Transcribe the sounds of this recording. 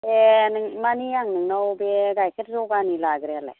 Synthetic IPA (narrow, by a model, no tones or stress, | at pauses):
enɯŋmaniaŋnɯŋnawbeɡajkʰətzɔɡanilaɡɾealḛ